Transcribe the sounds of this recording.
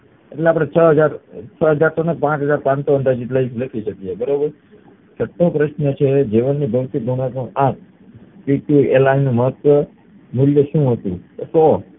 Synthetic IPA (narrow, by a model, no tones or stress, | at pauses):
eʈleapɽ̃et͡ʃʰəɦəd͡ʒaɾt͡ʃʰəɦəd͡ʒaɾt̪ʰonepãt͡ʃɦəd͡ʒaɾpãnsoənd̪ad͡ʒit̪ləikləkʰit͡ʃət̪iebəɾobəɾ | sʰəʈʰːopɾəʃnət͡ʃʰed͡ʒiʋənːibʱəʋt̪ik̪ɡ̪oɳɽat̪ũãt̚ʰ | piʈuḛlainːũməɦət̪ʋə | muljəʃũɦət̪ṵ̃t̪osɔ